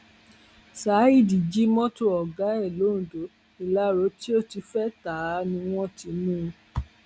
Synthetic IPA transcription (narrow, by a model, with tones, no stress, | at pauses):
sa˨˦i˦˨di˨d͡ʒi˦mɔ̃˦to˦ɔ˨ɡa˨˦ɛ˦˨lo˨˦n̩ũ˨do˨˦ | i˨la˨˦ɾo˨˦ti˦o˦ti˧fɛ˦ta˨˦nĩ˧w̃ɔ̃˦ti˧mũ˦˧